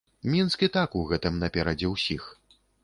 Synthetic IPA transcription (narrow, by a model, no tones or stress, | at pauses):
mʲinskʲit̪akuɣɛt̪ɨmnɐpʲɛɾɐd͡zʲɛwsʲix